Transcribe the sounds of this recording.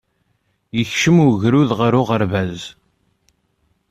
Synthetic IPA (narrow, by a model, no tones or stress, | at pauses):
jəçʃəmʊʝɾuðʁəɾʊʁəɾvæz